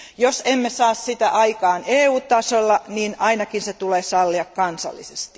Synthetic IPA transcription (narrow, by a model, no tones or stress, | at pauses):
josemːesɑːssit̪æ̰ʔɑikɑːneːuːtt̪ːɑsolːɑniːnɑinɑkinset̪uleːsɑlːiɑkkɑnsɑ̰lːḭsest̪i̥